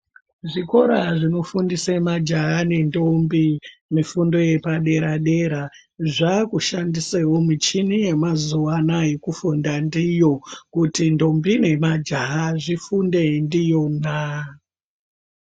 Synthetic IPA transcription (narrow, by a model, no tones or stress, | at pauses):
ʐiko̞ɾaʐino̞fundisemad͡ʒaane̞ndombimifundo̞je̞paɗe̞ɾaɗe̞ɾa | ʐakuʃandisewomit͡ʃinije̞mazuwanaje̞kufundandijo̞kutindo̞mbine̞mad͡ʒaaʐifunde̞ndijo̞na